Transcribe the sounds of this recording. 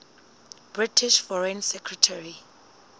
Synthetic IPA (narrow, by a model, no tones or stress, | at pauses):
b̥ɹitʰiʃfɔɹẽnsɛkʰɹɛtʰaɹi